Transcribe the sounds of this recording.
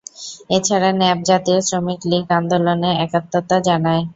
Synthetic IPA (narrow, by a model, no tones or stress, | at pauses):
et͡ɕʰaɾanɛb̚d͡ʑat̪iosɾomikliɡand̪oloneɛkat̪ːot̪ad͡ʑanae